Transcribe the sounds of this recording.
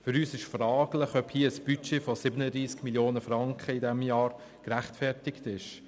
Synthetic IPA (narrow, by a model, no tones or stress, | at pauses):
fʏɾyːsɪʃfrɑːɡlɪχœphiːəəsb̥yt͡ʃefosɪbənədɾiːskmiljoːnəfɾɑŋkχəidɛmjɑːɾ | kɾæχtfɛɾtɪktɪʃ